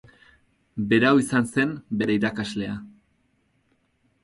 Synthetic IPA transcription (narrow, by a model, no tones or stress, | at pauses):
be̞ɾawisanse̞mbe̞ɾeiɾakazle̞a